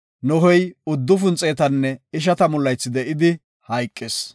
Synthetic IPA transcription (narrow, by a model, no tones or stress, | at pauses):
nɔɦɔjʊd̪ːʊfʊnt͡sʼːe̞ːt̪ɐnːɛɪʃ̬ɐt̪ɐmʊlːɐjt͡sːɪd̪ɛʔɪd̪ɪ | hɐjkʼːɪs